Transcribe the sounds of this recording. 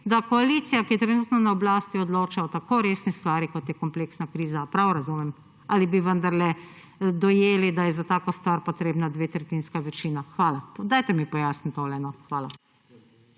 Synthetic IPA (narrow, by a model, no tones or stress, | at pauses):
d̪akɔaliːt̪sijakiɛt̪ɾɛnuːt̪nɔnaɔblaːst̪iɔd̪loːt͡ʃaɔt̪akoɾeːsnɛst̪ʋaːɾikɔt̪jɛkɔmpleksnakɾiːzapɾawɾazumɛm | alibiʋənd̪aɾlɛ | d̪ɔjeːlid̪ajɛzat̪aːkost̪ʋaːɾpot̪ɾeːbnad̪ʋeːt̪ɾɛt̪iːnskaʋɛt͡ʃiːnaxʋaːlad̪aːjt̪ɛmipɔjaːsnit̪olɛnɔxʋaːla